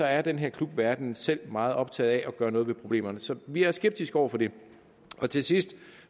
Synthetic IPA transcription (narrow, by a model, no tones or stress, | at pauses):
sɒ̽æɐd̥enɦeɐkʰlub̥ʋæɐd̥n̩sel̰mɑ̈ːð̩ˠɒ̽b̥̚t͡sʰɛ̰ːð̩ˠæʔɒ̽ɡ̥ɶːɐnɔːðˠʋepʰʁo̝b̥le̝̰ːmɐnəsɒ̽ʋiæɐsɡ̥eb̥̚d̥isɡ̥ɒʊ̰ɐfɒ̽d̥e̝ | ʔɒ̽t͡sʰe̝sisd̥